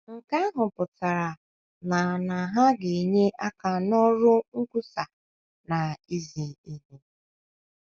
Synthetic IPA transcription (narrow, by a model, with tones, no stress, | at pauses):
ŋ̩˨ka˦ɦʊ˨pʊ˨ta˨ɾa˨ | na˨na˨ɦa˦ɡe˨ɲe˦ʔa˦ka˨nɔ˦ɾʊ˦ŋ̩˦ku˦sa˨ | na˨i˦zi˨i˦ɦe˦